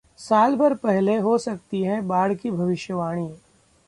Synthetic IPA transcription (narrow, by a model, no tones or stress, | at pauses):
saːlbɐɾpɛɦleɦosɐk̚t̪iɦɛ̃baːɽ̤kibʱɐʋɪʃjəʋaːɽ̃iː